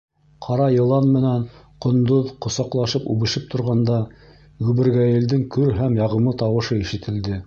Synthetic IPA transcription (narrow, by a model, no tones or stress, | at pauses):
qʰɑɾɑjɤ̆lˠɑnmɘ̆næn | qŏnd̪oðqŏsɑqlˠɑʃɤpṵβɘ̆ʃɘp̚t̪ʰŏɾʁɑnd̪ɑ | ʉβɘ̆ɾɡæjɘ̆ld̪ɘŋkɵɾɦæmjɑʁɤ̆mɤt̪ɑwɤ̆ʃɤiʃɘ̆t̪ʰɘ̆ld̪ɘ